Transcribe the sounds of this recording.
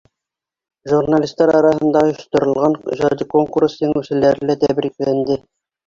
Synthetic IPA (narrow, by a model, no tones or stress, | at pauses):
ʒurnalʲist̪ːɑɾɑɾɑɦɤ̆nd̪ɑojŏʃt̪ŏɾŏlˠʁɑnʑɑd̪ikoŋkurst̪iŋʉsɘ̆læɾɘ̆læt̪æβɾiklænd̪ɘ